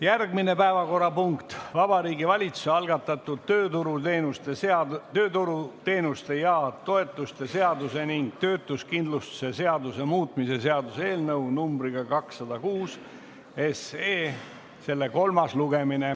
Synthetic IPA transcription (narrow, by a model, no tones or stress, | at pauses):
jærɡmine̞pæevɑko̞rːɑpuŋkt̪vɑbɑɾiːɡivɑlʲit̪su̥seɑlɡ̥ɑt̪ːˑɑt̪ːˑud̪̥̚t̪øːt̪uɾunust̪et̪øːt̪uɾut̪e̞ːnust̪e̞jɑt̪o̞e̞t̪ːˑust̪e̞se̞ɑd̪use̞niŋɡ̥̚t̪ø̞ːt̪ːˑuskind̪lust̪u̥se̞se̞ɑd̪use̞muːt̪ˑmise̞se̞ɑd̪use̞ːlnɤwnumb̥ɾiɡ̥ɑkɑksːɑd̪̥ɑkuːs | e̞seː | se̞lːe̞ko̞lmɑsluɡe̞mine